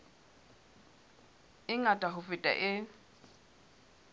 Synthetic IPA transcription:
ɪŋatʼaɦʊfɪtʼa̰ʔɪ

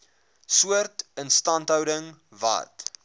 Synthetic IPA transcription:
suərtənstɐntɦœwdəŋvɐ̰t

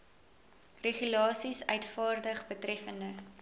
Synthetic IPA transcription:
reχylɑːsisœɥtfɑːrdəχbətrɛfəndə

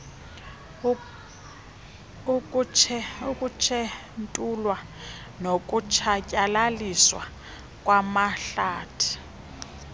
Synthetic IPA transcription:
kʰ | ukʼut͡ʃʰɛ | ntʼulwa | nok̬ʼut͡ʃʰacʼalaliswa̰ | k̬ʼwamaɬaːtʰi̥

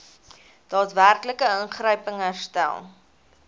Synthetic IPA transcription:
d̥ɑːtværkləkəəŋχrəɥpəŋɦærstæ̰lˠ

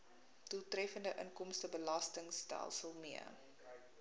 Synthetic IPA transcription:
dulˠtrɛfəndəʔəŋkɔmstəbəlɐstəŋstæ̰lˠsəlˠmiə̰

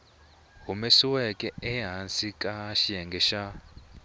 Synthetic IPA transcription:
ɦumesiwɛkʼɛɛɦansikʼaʃiɛŋɡʱɛʃa

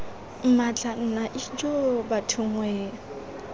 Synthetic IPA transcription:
m̩mat͡ɬʼan̩naʔɪd͡ʒobatʰʊŋwɛːŋ̩

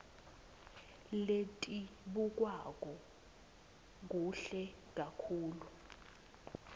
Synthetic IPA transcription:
letʼiɓuk̬wak̬ʼɔ | k̬uɬɛ | k̬akʰuːlu

